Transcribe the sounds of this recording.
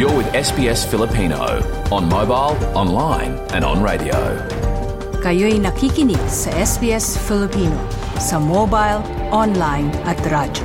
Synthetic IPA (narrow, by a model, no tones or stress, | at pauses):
jəwɪðɛsb̥iɛsfɪlˠəpʰĩno̰ʊ | ə̃nmoʊbaɪlˠɑ̃nlãɪ̃n | ɨ̰̃nə̰̃nɹeɪɾḭo̰ʊ | kɐjojnɐkʰikinisɐɛsbiɛsfilipino | sɐmobajl | ɔnlajnɐt̪ɾaːd͡ʒɐ